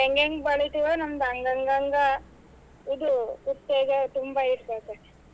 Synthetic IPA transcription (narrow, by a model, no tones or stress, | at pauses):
ɦeŋɡeŋɡbɐɭit̪iʋɐnɐmd̪ɐŋɡɐŋɡɐŋɡɐ | id̪ukut̪ːeːɡet̪umbɐiɾt̪aːk̪e